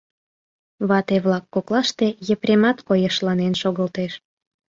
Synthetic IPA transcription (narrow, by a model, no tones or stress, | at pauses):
βɑt̪eβlɑkːoklɑʃt̪ejəpɾʲemɑt̪kojəʃlɑnenʃoɣəlt̪eʃ